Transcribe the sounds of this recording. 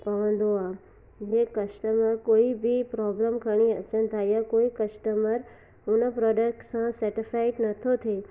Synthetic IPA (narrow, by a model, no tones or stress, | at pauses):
pəʋə̃nd̪oa | d͡ʒekəsʈəməɾkoibʱipɾɔbləmkʰəɽ̃iət͡ʃənt̪ʰajakoikəsʈəməɾ | unapɾɔɖək̚ʈsãsəɾʈifaiʈnət̪ʰot̪ʰe